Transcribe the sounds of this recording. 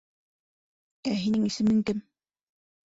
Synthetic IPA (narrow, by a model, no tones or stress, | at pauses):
æɦinɘŋisɘ̆mɘŋkɘm